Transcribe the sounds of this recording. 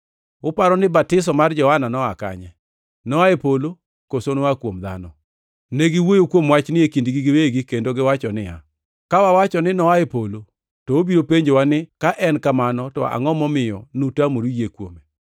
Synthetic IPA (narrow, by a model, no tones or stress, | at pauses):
ʊpaɾɔnɪbatɪs̬ɔmard͡ʒɔhananɔaka̰ɲɛ | nɔaepolo | kosonoakwomd̪a̰nɔ | neɡɪwojokwomwat͡ʃnɪekindɡiɡɪweɡikendoɡɪwat͡ʃɔnɪa̰ | kawawat͡ʃɔnɪnɔaepolo | tɔobiɾopeɲd͡ʒewanɪkaʔɛnkamanɔtɔ̰a̰ŋɔmɔmɪjɔnutamoɾujekwo̰me